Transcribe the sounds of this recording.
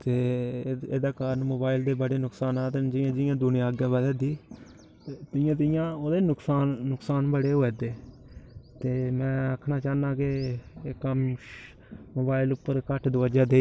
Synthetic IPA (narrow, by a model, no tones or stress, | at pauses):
t̪eːeːd̪aːkaːɾənmoːbaːɪld̪eːbəɽeːnʊksaːnaːt̪ed͡ʒɪjãːd͡ʒɪjãːd̪ʊnjãːəɡjãːbəd̪aːd̪iː | t̪ɪjãːt̪ɪjãːoːd̪eːnʊksaːnːʊksaːnbəɽeːɦoːeːd̪eː | t̪eːmɛ̃ːəkʰnaːt͡ʃaːnãːkɪekːəm | moːbaːɪlʊpːəɾkəʈʰd̪əʋəd͡ʒaːd̪eː